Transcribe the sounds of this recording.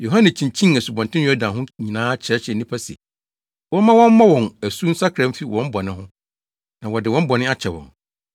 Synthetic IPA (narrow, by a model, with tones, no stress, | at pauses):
jo˨ɦã˦nɪ̃˨t͡ɕʰĩ˨ɲt͡ɕʰĩ˦ŋæ˨su˨bɔ̃˨ntʰɪ̃˦n˦jɔ˦dã˨ɦʊ̃˦ɲĩ˨nãː˦t͡ɕʰɛ˨˦ɕɛ˨nĩ˦pʰa˦si˨ɛ˨ | wɔ̃˦mã˦wɔ̃˦m˦mã˦wɔ̃˨næ˨su˦n̩˦sa˦kʰɾɛ̃˦m̩˦fi˦wʔɔ̃˦m˦bɔ˨nɪ̃˦hʊ̃˦ | nã˨wɔ˨dɪ˨wɔ̃˦m̩˦bɔ˨nɪ̃˦a˦t͡ɕʰɛ˨wɔ̰̃˨n